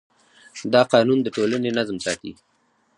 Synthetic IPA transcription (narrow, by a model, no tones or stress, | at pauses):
d̪ɑqɑnund̪əʈolənenazmsɑt̪ḭ